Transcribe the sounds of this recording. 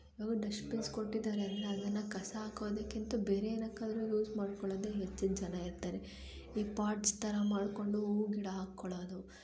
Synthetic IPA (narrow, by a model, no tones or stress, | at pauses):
iʋaːɡɐɖɐʃpinskoʈːid̪aːɾeɐnt̪ːɐɐd̪ɐnːɐkɐsɐɦaːkoʋd̪ekːint̪ubeːɾeɐnɐkːaːd̪ɐɾujuːzmaːɽkɔɭoːd̪eɦet͡ʃːid͡ʒɐnɐiɾt̪ːaːɾe | iːpaːɾʈst̪ʰɐɾɐmaːɽko̞ɳɖuuɡiɽɐɦaːkːɔɭoːd̪u